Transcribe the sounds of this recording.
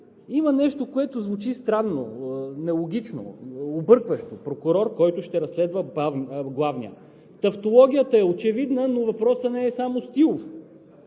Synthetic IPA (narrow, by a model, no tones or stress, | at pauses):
imɐnɛʃt̪okoɛt̪ozvʊt͡ʃist̪ɾanːo̰nɛlˠoɡ̟ʲit͡ʃno̰obɤɾkvəʃt̪opɾokʊɾɔɾkɔjt̪ʊʃt̪ɛɾɐsːlɛd̪vəbavɡlˠavnḭə̰ | t̪ɐft̪olˠɔɡʲijət̪ɐɛot͡ʃɛvid̪nənovɐpɾɔsənɛːsamost̪ilˠof